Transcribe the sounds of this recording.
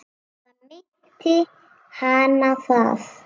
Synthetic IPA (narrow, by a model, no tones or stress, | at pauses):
ami | t̪i | hanafaf